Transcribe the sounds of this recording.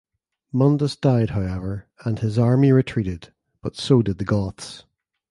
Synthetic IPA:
mʌ̃ndəsd̥aɪd̥̚ɦaʊɛvə˞ə̃nɪzaɹmiɹɪtʰɹ̥iʔɪd | b̥ʌtsodɪd̪̚ðəɡɔθs

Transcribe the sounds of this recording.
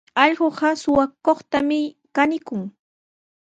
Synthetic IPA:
ɑʎɢoɢɑsʊwakoχt̪amɪkanɪkʊŋ

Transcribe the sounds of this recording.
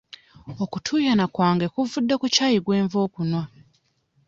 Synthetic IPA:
okutʰuːjanakwaːŋɡekuvudːakucaːjiɡwe̞ːɱvo̞ːkunwa

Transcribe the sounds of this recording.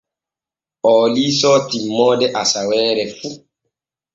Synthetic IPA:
ɔlisɔtimːɔdɛʔasawɛːɾɛfu

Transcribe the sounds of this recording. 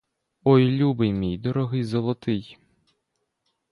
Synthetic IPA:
ɔjlʲubɪjmʲijd̪ɔɾɔɦɪjzɔlˠɔt̪ɪj

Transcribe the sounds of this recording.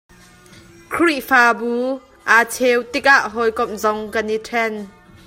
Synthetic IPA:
kʰɾiʔfaːbuː | ʔat͡sʰewt̪ik̚aʔɦɔjkɔp̚zɔŋkɐnitʰɛn

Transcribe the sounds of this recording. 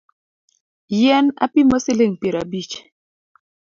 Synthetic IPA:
jɛna̰pimɔsileŋpeɾabit͡ʃ

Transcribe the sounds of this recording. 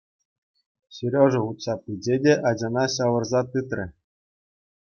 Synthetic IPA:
ɕiɾʲoʐɤ̆χut̪sɑpɯd͡ʑedʲeʔɑd͡ʑɑnɑɕɑʋɤ̆rzɑt̪ɯt̪rʲɘ̆

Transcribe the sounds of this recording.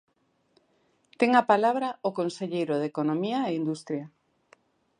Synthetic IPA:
t̪eŋapalaβ̞ɾaokonseʎejɾoðekonomiaeind̪ust̪ɾja

